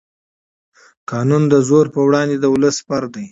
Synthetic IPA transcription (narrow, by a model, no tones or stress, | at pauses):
kɑnund̪əzoɾpəwɽɑnd̪ed̪əʊləspaɾd̪aj